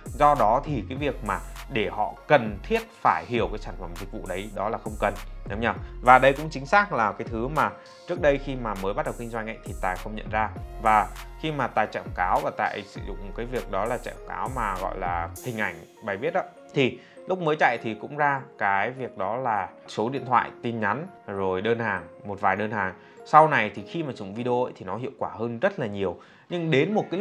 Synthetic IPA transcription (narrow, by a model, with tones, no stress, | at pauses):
zɔ˧ɗɔ˨˦t̪ʰi˨˩kaː˨˦jvi˨˩ək̚maː˨˩ɗe˧˩hɔ̰˧˨kə˨˩nt̪ʰi˦˥ət̚faː˧˩jɦi˧˩əwkaː˨˦jsaː˧˩n̟fə˧˩mzï˨˩k̚vṵ˧˨ɗə˨˦jɗɔ˨˦laː˨˩xə˧wŋ͡mkə˨˩nɲə˨˦ŋ͡mɲaː˧˩vaː˨˩ɗə˧jkʊ̰˧˥ŋ͡mt͡ɕï˨˦ŋ̟saː˦˥k̚laː˨˩kaː˨˦jt̪ʰɨ˨˦maː˨˩ | t͡ɕɨ˦˥ək̚ɗə˧jxi˧maː˨˩məː˨˦jɓa˦˥t̚ɗə˨˩wki˧ŋ̟zwa˧ŋ̟ŋa̰˧˨jŋt̪ʰi˨˩t̪aː˨˩jxə˧wŋ͡mɲə̰˧˨nzaː˧vaː˨˩xi˧maː˨˩t̪aː˨˩jt͡ɕa̰˧˨kaː˨˦wvaː˨˩t̪a̰ː˧˨jsɨ̰˧˩zʊ̰˧˨ŋ͡mkaː˨˦jvi˨˩ək̚ɗɔ˨˦laː˨˩t͡ɕa̰˧˨ʔka̰ː˨˦wmaː˨˩ɣɔ̰˧˨jlaː˨˩hï˨˩ŋ̟ʔa˧˩jŋ̟ | ɓaː˨˩jɓi˦˥ət̚ɗɔ˨˦ | t̪ʰi˨˩ | lʊ˦˥k͡p̚məː˨˦jt͡ɕa̰˧˨jt̪ʰi˨˩kʊ̰˧˥ŋ͡mzaː˧kaː˨˦jvi˨˩ək̚ɗɔ˨˦laː˨˩ | so˨˦ɗḭ˧˨ənt̪ʰwa̰ː˧˨jt̪i˧nɲa˨˦n | zo˨˩jɗəː˧nhaː˨˩ŋmo˨˩t̚vaː˨˩jɗəː˧nhaː˨˩ŋ | sa˧wna˨˩jt̪ʰi˨˩xi˧maː˨˩t͡ɕʊ̰˧˩˨ŋ͡mvi˧ɗe˧o̰˧˨jt̪ʰi˨˩nɔ˨˦ɦḭ˧˨əwkwaː˧˩həː˧nzə˦˥t̚laː˨˩ɲi˨˩əw | ɲɨ˧ŋɗe˨˦nmo˨˩t̚kaː˨˦